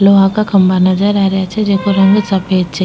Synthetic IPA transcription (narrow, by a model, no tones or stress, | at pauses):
loɦãkakʰɐmbanɐd͡ʒəɾaːɾjat͡ʃʰɛd͡ʒekoɾɐ̃ŋɡsapeːd͡ʒ̚t͡ʃʰa